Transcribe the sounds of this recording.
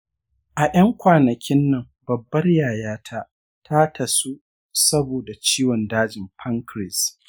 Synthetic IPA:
ʔa˨ʔɐ˦ŋkʷaː˨nɐ˨kʲɪ˦nːɐ˨m | bɐ˨bːɐ˦rjaː˨jaː˦tʰa˦ | tʰa˦tʰɐ˨su˦ | sɐ˦boː˨da˨t͡ʃiː˦wɔ˨ndaː˦d͡ʒɪ˨mpʰɐ˦ŋkɾɪ˨s

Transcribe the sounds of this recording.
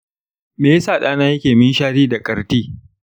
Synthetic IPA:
meː˨je˦saː˨ɗaː˦naː˦jɐ˦kʲeː˨mɪ˦nʃaː˦ɾiː˦da˨kʼɐ˨ɾtiː˦

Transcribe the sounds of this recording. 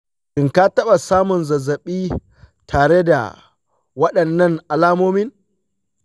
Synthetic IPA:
kɪ˨ŋka˦tɐ˦ɓa˨saː˦mʊ˨nzɐ˨zɐ˨ɓiː˦ | tʰaː˨ɽe˦da̰˨ | wɐ˦ɗɐ˨nːɐ˦˨ŋʔa˨laː˦moː˦mɪ˦n

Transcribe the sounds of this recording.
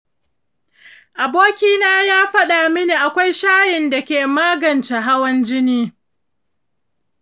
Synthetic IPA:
ʔa˨boː˦kʲiː˦naː˦jaː˦ɸɐ˦ɗa˨mɪ˦niː˨ʔa˨kʷa˦jʃaː˦jɪ˨nda˨kʲeː˨maː˦ɡɐ˨nt͡ʃa˨ɦa˦wɐ˦nd͡ʒɪ˦niː˦

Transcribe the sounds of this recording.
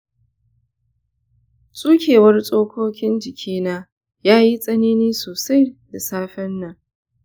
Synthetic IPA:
sʼuː˦kʲʰeː˨wɐ˦rsʼoː˦kʰʷoː˦kʲɪ˦nd͡ʒɪ˨kʲʰiː˦naː˦ | jaː˦ji˦sʼɐ˦niː˦niː˦soː˨sa˦jda˨saː˦ɸɛ˦nːa˦

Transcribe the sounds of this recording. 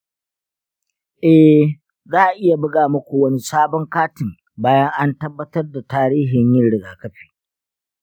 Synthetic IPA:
ʔɛ˦ | zaː˦ʔa˨ʔɪ˦ja˨bʊ˦ɡaː˨mɐ˦kʷu˨wɐ˦ni˦saː˦bɔ˦ŋkaː˦tɪ˨m | baː˦jɐ˦ŋʔa˦ntɐ˦bːɐ˦tɐ˦rda˨taː˦ɾiː˦ɦɪ˨ɲjɪ˦nɽɪ˨ɡaː˨kɐ˦ɸi̥ː˨

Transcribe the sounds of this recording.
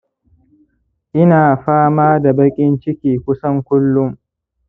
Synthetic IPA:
ʔɪ˦naː˨ɸaː˦maː˦da˨bɐ˦kʲʼɪ˦nt͡ʃɪ˦kʲiː˨kʷʊ˦sɐ˦ŋkʷʊ˦lːʊ˦m

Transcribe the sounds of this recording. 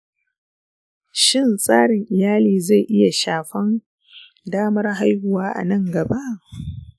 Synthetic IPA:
ʃɪ˦˨nsʼaː˦ɽɪ˨ŋʔɪ˨jaː˦liː˨za˦˨jʔɪ˦ja˨ʃaː˨ɸɐ˦n | daː˦mɐ˦rɦa˦jhʊ˨waː˦ʔa̰˨nɐ˦ŋɡɐ˨ba˦ʔ

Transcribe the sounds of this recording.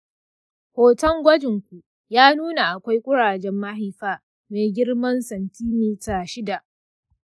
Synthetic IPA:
hoː˨tɐ˦ŋɡʷɐ˦d͡ʒɪ˨ŋkʷu˨ | jaː˦nuː˦na˨ʔa˨kʷa˦jkʷʼʊ˦ɽaː˨d͡ʒɛ˦mːɐ˦ɦɪ˨jɸaː˦ | meː˨ɡʲɪ˦ɽmɐ˦nsɐ˨ntiː˦mi˦taː˦˨ʃɪ˦da˨ʔ

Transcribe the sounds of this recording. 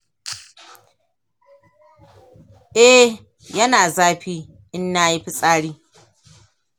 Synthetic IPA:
ʔɛ˦ | jɐ˦naː˨zaː˦ɸiː˦ | ʔɪ˦nːaː˦ji˦ɸɪ˦sʼaː˦ɽiː˦

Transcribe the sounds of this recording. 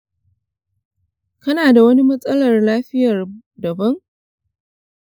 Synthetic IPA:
kɐ˦naː˨da˨wɐ˦ni˦mɐ˦sʼɐ˦lɐ˨rlaː˦ɸɪ˦jɐ˨r | dɐ˨bɐ˦ŋ

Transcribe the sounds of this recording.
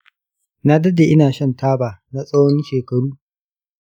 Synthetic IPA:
na˦dɐ˦da˨ʔɪ˦naː˨ʃɐ˦ntaː˦baː˨na˦sʼɐ˦wɔ˦nʃeː˨kɐ˨ɽuː˦

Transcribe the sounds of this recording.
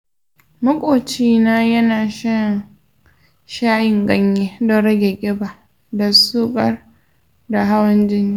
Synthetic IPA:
mʊ˦kʷʼoː˨t͡ʃiː˦naː˦jɐ˦naː˨ʃɐ˦n | ʃaː˦jɪ˨ŋɡɐ˦ɲjeː˦dɔ˦ɾɐ˦ɡʲe˨ɡʲʼɪ˦ba˨ | da˨suː˦kʼɐ˦˨r | da˨ɦa˦wɐ˦nd͡ʒɪ˦ni˦˨

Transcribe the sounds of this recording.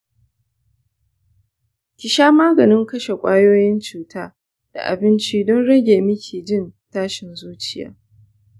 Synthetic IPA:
kʲɪ˨ʃaː˦maː˦ɡɐ˨nɪ˦ŋkɐ˦ʃe˨kʷʼaː˦joː˦jɪ˦nt͡ʃuː˨taː˦ | d̥a̰˨ʔa̰˨bɪ˦nt͡ʃiː˦dɔ˦nɽɐ˦ɡʲeː˨mɪ˦kʲʰiː˨d͡ʒɪ˦˨ntaː˦ʃɪ˨nzuː˦t͡ʃɪ˦ja̰ː˦

